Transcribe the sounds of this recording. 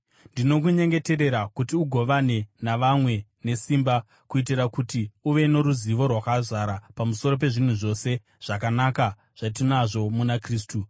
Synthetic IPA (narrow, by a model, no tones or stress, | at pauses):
ndino̞kuɲe̞ŋɡe̞te̞ɾe̞ɾakutiuɡʱo̞ʋane̞naʋamwe̞ne̞simba | kuit̬irakutiuʋe̞no̞ɾuziʋo̞rwakazaɾapamuso̞ɾo̞p̬e̞ʐin̤uʐo̞se̞ | ʐ̥ak̬anaka | ʐ̥atinaʐo̞munakriːs̬tu